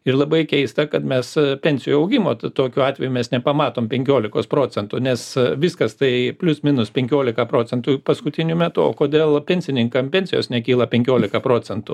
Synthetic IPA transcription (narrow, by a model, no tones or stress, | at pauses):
ɪrlˠɐbɐɪkʲɛɪst̪ɐkɐt̪mʲɛspʲɛnʲsʲɪjuɐʊɡʲɪmoːt̪t̪oːkʲuɑːt̪ʲʋʲɛjumʲɛsnʲɛpɐmɑːt̪oːmpʲɛŋʲkʲoːlʲɪkoːspɾoːt͡sʲɛnt̪ʊnʲɛsʋʲɪskɐst̪ɐɪpʲlʲʊsmʲinʊspʲɛŋʲkʲoːlʲɪkɐpɾoːt͡sʲɛnt̪ʊpɐskʊt̪ʲɪnʲʊmʲɛt̪ʊo̰ːkoːd̪ʲeːlˠpʲɛnʲsʲɪnʲɪŋkɐmpʲɛnʲsʲɪjoːsnʲɛkʲiːlˠɐpʲɛŋʲkʲoːlʲɪkɐpɾoːt͡sʲɛnt̪ʊ